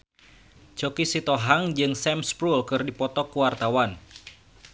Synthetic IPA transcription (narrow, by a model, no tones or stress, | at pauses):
t͡ʃɔkisit̪ɔɦaŋd͡ʒɨŋsɛmspɾulkɨrdipɔt̪ɔkuwart̪awan